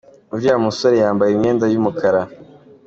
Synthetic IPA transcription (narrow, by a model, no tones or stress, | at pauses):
ubjaːmusoɾejaːmbajimɲeːndajumukʰaɾa